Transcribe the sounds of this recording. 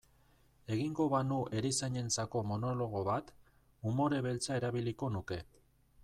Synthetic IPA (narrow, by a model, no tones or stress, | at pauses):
e̞ɣiŋɡo̞βanuʔe̞ɾisaɲe̞nt͡sako̞mo̞no̞lo̞ɣ̞o̞βat̪ | umo̞ɾe̞βe̞lt͡sae̞ɾaβ̞iliko̞nuke̞